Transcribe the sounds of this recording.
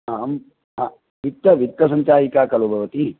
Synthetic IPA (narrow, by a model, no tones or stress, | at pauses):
aːm | ʋit̪ːɐʋit̪ːɐs̬ɐɲt͡ʃaːjikaːkɐlubʱɐʋɐt̪i